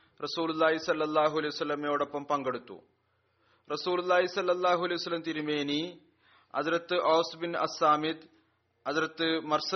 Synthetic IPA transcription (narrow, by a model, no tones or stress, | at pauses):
rɐsuːlulːaːɦisɐlːɐlˠːaːɦuɐlejʋɐsɐlːɐmjoːɽopːɐmpɐŋɡɐɽut̪ːṵ | rɐsuːlulːaːɦisɐlːɐlˠːaːɦuɐlejʋɐsɐlːɐmt̪iɾumeːni | ɐ̰ðɾɐt̪ːɨʔoːsbinʔɐ̰saːmid̪ | ɐðɾɐt̪ːɨmɐɾsɐ